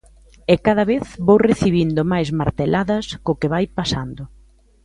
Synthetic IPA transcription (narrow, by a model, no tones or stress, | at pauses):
ɛkað̞ɐβeθβowreθiβind̪ʊmajzmaɾt̪elʔaðɐskʊkɪβajpasand̪ʊ